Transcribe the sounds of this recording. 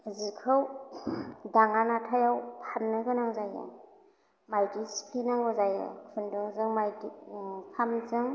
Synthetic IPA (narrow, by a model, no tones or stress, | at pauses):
zikʰɯw | daŋanatʰajawpʰanːɯɡɯnaŋzaja̰ | majdisi̥kʰlenaŋɯzajḛkʰɯndɯŋzɯŋmajdipʰamzɯŋ